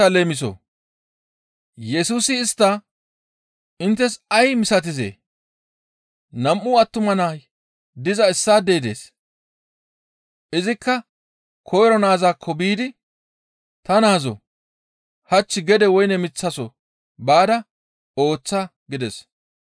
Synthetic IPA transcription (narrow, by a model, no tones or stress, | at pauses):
ɐleːmɪs̬ɔ̰ | jɛsuːsɪːst̪ːɐ | ɪnt̪ːɛsɐjmɪsɐt̪̬ɪzḛː | nɐmʔʊɐt̪ːʊmɐnaːj | d̪ɪzɐɪsːaːd̪eːd̪e̞̰ːs | ʔɪzɪkːɐ | kʰɔjɾɔnaːzaːkʰːɔbiːd̪ɪ | t̪ɐnaːzɔ̰ | hɐt͡ʃːɪɡɛd̪ɛwɔjnɛmɪt͡sːɐsɔ | baːd̪ɐ | o̞ːt͡sːɐ | ɡɪd̪ɛs